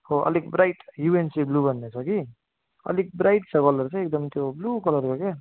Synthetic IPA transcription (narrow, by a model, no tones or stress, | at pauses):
hoʌ̰likbɾajʈjuensiblubʱʌnːet͡sʰʌki | ʌ̰lik̚bɾajʈt͡sʰʌkɔlʌɾt͡sʰʌek̚d̪ʌmt̪joblukɔlʌɾkoke